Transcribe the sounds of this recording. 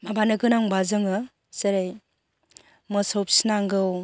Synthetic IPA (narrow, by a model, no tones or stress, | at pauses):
mabanɯɡɯnaŋbazɯŋɯ | seɾaj | mɯsowp̚sinaŋɡɯw